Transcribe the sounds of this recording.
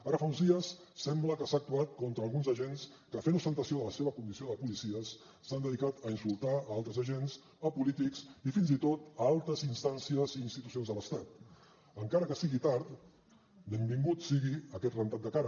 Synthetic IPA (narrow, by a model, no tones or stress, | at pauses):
aɾəfaunzðiəsːɛmbləkəsaːk̚t̪uat̪̚kɔnt̪ɾəːlˠɣunzəʒens | kəfenust̪ənt̪əsioələseβəkund̪isioðəpulisiəsː | and̪əðikat̪əinsulˠt̪aalˠt̪ɾəzəʒens | əpulit̪iksifinzit̪ot̪alˠt̪əzinst̪ansiəziːnst̪it̪u̥sionzðələst̪at̪̚ | əŋkaɾəkəsiɣit̪aɾt̪ | b̪əmbiŋɡut̪siɣiəkɛt̪rənt̪at̪d̪əkaɾə